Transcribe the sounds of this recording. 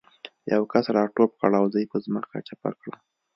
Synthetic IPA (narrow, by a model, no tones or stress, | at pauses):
jawkasɾɑʈopkaɽawzəjpəzməka̰t͡ʃapa̰kɽa